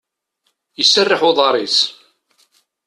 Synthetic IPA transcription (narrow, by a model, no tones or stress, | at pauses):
jəsːərːɪħʊðˤɑɾˤis